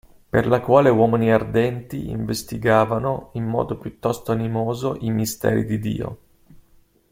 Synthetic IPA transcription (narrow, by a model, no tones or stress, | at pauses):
perlakwaːlewɔːminiard̪ɛnt̪iḭɱvest̪iɡaːvanoimːɔ̰ːd̪opjut̪ːɔst̪oanimoːzoʔimist̪ɛ̰ːɾḭd̪id̪ḭːo̰